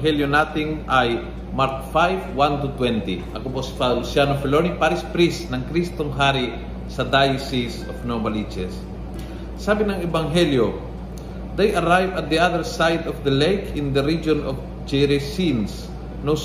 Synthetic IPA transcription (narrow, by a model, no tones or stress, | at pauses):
ɦɛljonaːt̪ɪŋaj | maɾk̚fajvwant̪ʊt̪wɛnt̪iʔɐkoposi̥palʊsjanofɛlonipaɾɪspɾisnɐŋkɾist̪oŋɦaɾi | sɐd̪ajsisofnomɐlit͡ʃɛsː | aːbɪnɐŋɛbɐŋɦɛljo | d̪ejʔɐɾajvɐt̪̚d̪iʔaðəɹsajd̪ɔfd̪ɐlejkɪ̃nd̪ɐɾid͡ʒonɔf | d͡ʒɛɾɛsins | no